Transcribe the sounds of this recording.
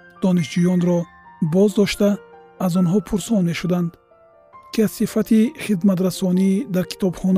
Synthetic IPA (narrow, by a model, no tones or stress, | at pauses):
d̪̥ɔniʃd͡ʒujɔnɾɔ | bɔzd̪ɔʃt̪aː | zɔnɦɔpʰuɾsɔnme̞ʃud̪and̪ | kʰiaz̥sifat̪ʰiχid̪mat̪ɾasɔnid̪aɾkʰi̥t̪ʰɔbχɔn